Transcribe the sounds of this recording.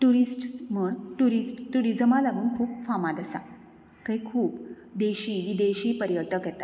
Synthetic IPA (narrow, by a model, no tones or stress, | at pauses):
ʈuɾisʈməɳʈuɾisʈt̪uɽid͡zəmalaɡuːɳkʰuːpfamad̪əsa̰ | kəikʰuːp | d̪eɕiːʋid̪eɕiːpəɾjət̪əkjɛt̪at̪